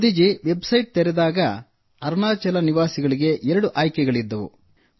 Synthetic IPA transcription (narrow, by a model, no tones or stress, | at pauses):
d̪id͡ʒiʋe̞bsɐjʈ̚t̪eɾɛd̪aːɡɐ | ɐɾnaːt͡ʃɐlɐniʋaːsiɡɐɭiɡe̞ʔɛɾɐɽuʔaːjkɛɡɐɭid̪ːɐʋṵ